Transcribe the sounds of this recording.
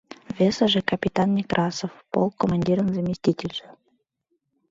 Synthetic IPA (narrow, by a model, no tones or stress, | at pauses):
vʲesəʒĕkɐpʲit̪anmʲikrʔɑsofpo̰lˠkomanʲdʲiɾənzamʲisʲtʲitʲelʲʒĕ